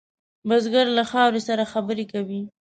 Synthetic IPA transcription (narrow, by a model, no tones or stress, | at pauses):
bazɡaɾlaxɑwɾesaɾaxabəɾekawi